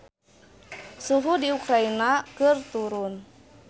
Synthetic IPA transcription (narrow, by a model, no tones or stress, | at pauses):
suɦudiukɾainakɨrt̪uɾʊn